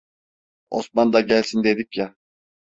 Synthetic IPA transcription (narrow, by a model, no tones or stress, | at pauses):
o̰smand̪aɟælʲsind̪e̞d̪ikja